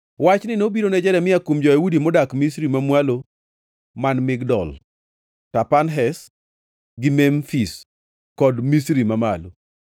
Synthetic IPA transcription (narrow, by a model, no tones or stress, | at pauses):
wat͡ʃnɪnobiɾonɛd͡ʒɛɾɛmɪjakumd͡ʒɔjawudimɔdakmisɾimamwalo | manmɪɡdɔ̰l | tapanɦɛs | ɡɪmɛmfis | kɔdmisɾimamalo̰